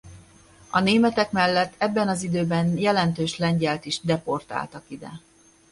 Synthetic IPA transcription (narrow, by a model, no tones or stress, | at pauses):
ɒneːmɛt̪ɛkmɛlːɛt̪ʰːɛbːɛnɒzid̪øːbɛnjɛlɛnt̪øːʃlɛɲɟɛlt̪iʒd̪ɛpo̞rt̪a̰ːlt̪ɒkid̪ɛ̰